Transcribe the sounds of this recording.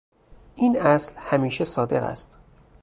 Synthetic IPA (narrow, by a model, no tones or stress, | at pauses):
ʔiːnʔæslhæmiːʃesɒːd̪e̞̰ɣæ̰st̪